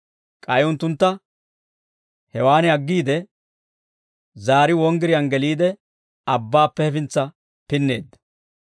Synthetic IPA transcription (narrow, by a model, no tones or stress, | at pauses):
kʼɐjʊnt̪ːʊnt̪ːɐ | hɛwaːnɪɐɡːiːd̪ɛ | zaːɾɪwɔŋɡɪɾɪjɐnɡɛliːd̪ɛ | ɐbːaːpːɛhɛfɪnt͡sːɐ | pɪnːe̞̰ːd̪ːɐ̥